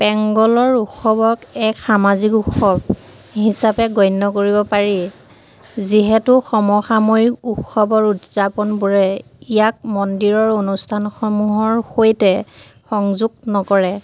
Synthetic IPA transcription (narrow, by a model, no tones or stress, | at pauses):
pɛŋɡɔlɔɹuxɔbɔkɛkxamazikukʰːɔb | hisapɛɡɔjnːɔkoɹibɔpaɹi | ziɦɛtʊxɔmɔxamoɹikuxʰɔbɔɹutz̥apɔnbuɹɛ | ijak̚mɔndiɹɔɹonustʰanxɔmuɦɔɹxojtɛ | xɔŋzuɡ̚nɔkɔɹɛ